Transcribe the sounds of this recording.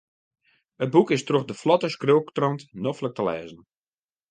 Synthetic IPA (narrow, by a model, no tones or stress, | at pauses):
əd̚bukɪstroxdəflɔtəskrøwktrɔntnɔflək̚təlɛ̰ːzən̩